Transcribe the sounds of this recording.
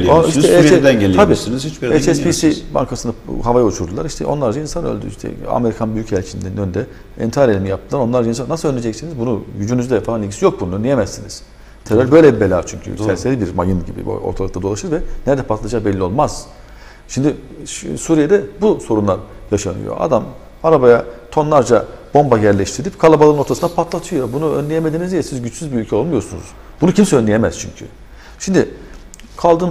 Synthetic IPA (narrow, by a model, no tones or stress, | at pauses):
oiʃʰɛɛd̪ænelʲʰabiːnzit͡ʃbɛt͡ʃɛspisiba̰ŋkʰasɯnaɦavajaut͡ʃʰuɾd̪ulˠaɾiʃt̪ʰɛ̰ʔonlˠaɾd͡ʒainsanø̰lʲd̪y̰iʃt̪ʰɛ̰a̰me̞ɾikʰanbyjycɛlʲt͡ʃʰind̪ænnønd̪ɛ | ɛ̰nt̪ʰaɾelʲimijap̚t̪ʰɯlˠaɾo̞nlˠaɾd͡ʒainsanaslˠønʲed͡ʒɛcsinizbunujyd͡ʒynyzd̪ɛfalˠanʲicʰisijo̞k̚bunuond̪ijemɛsiniz̥ | t̪ʰeɾøɾʲbø̞jlʲɛbelʲaːt͡ʃʰyɲcʰy̰sɛɾselʲibiɾmajɯnɟibḭoɾt̪ʰalˠɯkt̪ad̪o̞lˠaʃɯɾvɛnɛɾd̪ɛpʰat̪lˠad͡ʒaːbɛlʲːio̞lˠmaz̥ | ʃimd̪isuːɾijed̪ɛbuso̞ɾunlˠaɾjaʃanɯ̰jo̰a̰d̪am | aɾabajat̪ʰo̞nlˠaɾd͡ʒabo̞mbajæɾlʲɛʃt̪ʰiɾilʲipkʰalˠabalˠɯɯno̞ɾt̪ʰasɯnd̪apʰat̪ʰlˠat̪ʰɯjo̞bunuø̰nlʲejemed̪iːnizijɛsizɟyt͡ʃsyzbiylʲcʰɛo̞lˠmujo̞ɾsunṵz̥ | b̥unucʰimsɛønlʲejemɛz̥t͡ʃʰy̰ɲcʰy̰ | ʃimd̪i | kʰalˠd̪ɯːm